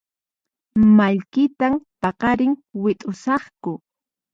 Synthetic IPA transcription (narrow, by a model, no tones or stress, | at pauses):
maʎkɪt̪ampɑqɑɾɪŋwɪt̪ʼʊsɑχkʊ